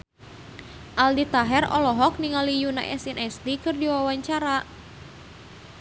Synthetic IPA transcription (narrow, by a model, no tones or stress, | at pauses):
ʔaldit̪aɦɛrɔ̰lɔɦɔk̚niŋalijuna̰ʔɛ̰sinʔɛst̪ikɨrdiwawaɲt͡ʃaɾa